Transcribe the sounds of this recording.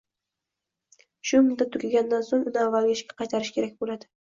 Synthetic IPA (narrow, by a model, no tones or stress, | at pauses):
ʃʊmʊnd̪at̪ʰʊkʲaɡʲand̪ansoŋʊnɪavːalˠɡʲɪɪʃkʲḁqɑjt̪ʰaɾɪʃkʲʰe̞ɾak̚ʲbolad̪ɪ